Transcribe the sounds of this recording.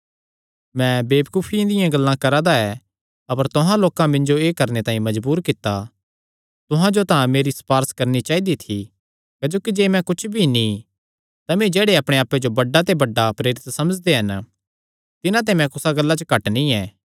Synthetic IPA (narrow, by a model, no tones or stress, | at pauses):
mɛ̃beːbkuːpʰĩd̪ɪjãɡɐlːãkɐɾad̪aɛ | ɐpəɾt̪ʊɦãloːkãmɪ̃nd͡ʒoeːkɐɾnet̪ãːĩmɐd͡ʒbuːɾkɪt̪ːa | t̪ʊɦãd͡ʒot̪ãmeːɾispaːɾskɐɾnit͡ʃaːid̪it̪ʰi | kɐd͡ʒoːkid͡ʒeːmɛ̃kʊt͡ʃʰbʱinĩ | t̪amẽd͡ʒeːɽeɐpɽ̃eaːpːed͡ʒobɐɖːat̪̬ebɐɖːapɾeːɾɪt̪sɐməd͡ʒd̪eɦɐn | t̪ɪnãt̪̬emɛ̃kʊsaɡɐlːat͡ʃəkɐʈnĩɛː